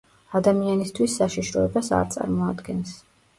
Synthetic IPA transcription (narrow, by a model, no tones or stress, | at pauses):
ad̪amianist̪ʰwisːaʃiʃɾɔɛbasa̰ɾt̪sʼa̰ɾmɔad̪ɡɛns